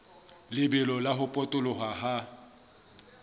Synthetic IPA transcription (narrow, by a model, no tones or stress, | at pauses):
lɪbɛlɔlaɦʊpʼɔtʼʊlʊɦwaha